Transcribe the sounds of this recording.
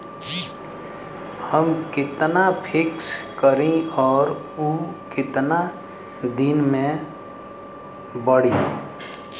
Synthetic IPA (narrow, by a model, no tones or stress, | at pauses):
həmkɪt̪napʰɪkskəɾẽɔːɾ | ukɪt̪na | d̪ɪnmẽ | bəɽ̤i